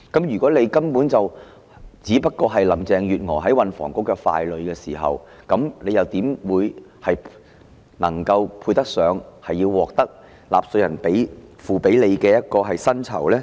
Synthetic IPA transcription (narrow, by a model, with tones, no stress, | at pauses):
kɐ˨˥mjy˨˩kɔː˨˥le˨˧jkɐ˥mpuː˨˥nt͡sɐ˨w | t͡siː˨˥pɐ˥t̚kɔː˧ɦɐ˨jlɐ˨˩mt͡sɛː˨ŋjyː˨t̚ŋɔː˨˩ɦɐ˨˥jwɐ˨nfɔː˨˩ŋkʊ˥kːɛː˧fa̰ː˧jlɵ˨˧ɥkɛː˧siː˨˩ɦɐ̰˨w | kɐ˨˥mnle˨˧jɐ˨wt̪iː˨˥mwuː˨˧jhɐ˨j | nɐ˨˩ŋkɐ˧wpʰuː˧jt̪ɐ˥k̚sœː˨˧ŋhɐ˨jːiː˧wwɔː˨k̚t̪ɐ˥k̚ | laː˨p̚sɵ˧jɐ˨˩npe˨˥jfuː˨pe˨˥jle˨˧jkɛː˧jɐ˥t̚kɔː˧ɦɐ˨jsɐ˥nt͡sʰɐ̰˨˩wlɛː˥